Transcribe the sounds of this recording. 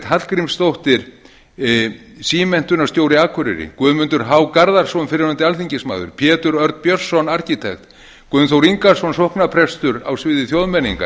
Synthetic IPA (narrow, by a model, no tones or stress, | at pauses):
t̪hat̪l̥kɾimst̪owht̪ɪɾ̥ | siːmɛn̥t̪ʏnast̪joːwɾɪaːkʰʏɾɪ̰ɾɪ̰kvœːðmʏnt̪ʏɾ̥ɦawkaɾðaɾ̥sɔʏnfɪɾɪɾant̪ɪalθiɲcɪsma̰ːðʏ̰ɾ̥pʰjɛːt̪ʏɾœɾt̪pjœ̥sːɔnaɾ̥cɪt̪ʰɛxt̪ | kvʏʏnθowɾiŋkaɾsɔnsohknapʰɾɛst̪ʏɾa̰wsvɪːðɪθjowðmɛnːiŋka̰